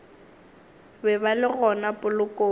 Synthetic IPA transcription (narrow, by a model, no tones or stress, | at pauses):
bɛbalɪɣɔnapʼʊlʊkʼoː